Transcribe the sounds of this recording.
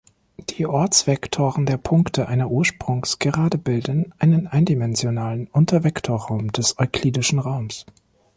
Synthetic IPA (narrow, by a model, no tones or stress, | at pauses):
d̥iːʔɔɐt͡sv̥ɛktʰoːʁən̩deːɐpʰʊŋktʰəʔaɪnɐʔuːɐʃpʁ̥ʊŋsɡ̥əʁaːdəbɪldənʔaɪnənʔaɪndimɛnzjonaːlənʔʊntʰɐvɛktʰoːɐʁaʊmdɛsɔʏkʰl̥iːdɪʃn̩ʁaʊms